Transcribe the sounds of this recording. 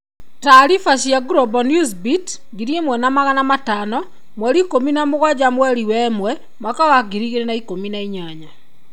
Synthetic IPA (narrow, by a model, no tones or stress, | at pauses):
taɾifaɕiaɡuɾɔbɔnjusbit | ɡiɾiemwɛnamaɣanamatanɔ | mwɛɾikominamoɣwad͡ʑamwɛɾiwɛmwɛ | mwakawaɡiɾiɣeɾenaikominaiɲaɲa